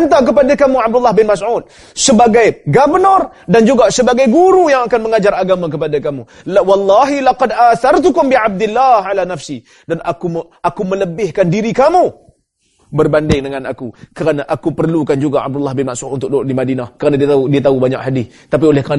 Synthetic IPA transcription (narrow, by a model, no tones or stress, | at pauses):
nt̪ak̬əpadakamuʕab̚dulːahbɪnmasʕut̪̚ | səbaɡajɡabənɔrdand͡ʒuɡasəbaɡajɡuɾujaŋakanməŋad͡ʒaɾaɡamak̬əpadakamu | wɑlˤːɑɦilaqɑdaθart̪ukʊmbiʕab̚dɪlːaːhalanafsi | danʔakuʔakumələbɪhkandiɾikamu | bərbandɪŋdəŋana̰kukəɾanaʔakupərlukand͡ʒuɡaʔa̰b̚dulːahbɪnmasut̪unt̪ʊk̚doʔdimadinahkəɾanad̪udiat̪aubaɲa̰kɦadɪθ | t̪ap̬iolɛhkəɾa